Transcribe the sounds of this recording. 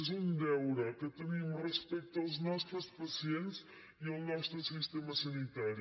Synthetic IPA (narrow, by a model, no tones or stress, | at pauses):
zũnd̪ɛwɾɐkɨt̪ɨnimurəspɛjt̪ɐwznɔʃt̪ɾuspɐsiẽnt̪s | iɐwnɔʃt̪ɾusiʃt̪emɐsɐnit̪aɾju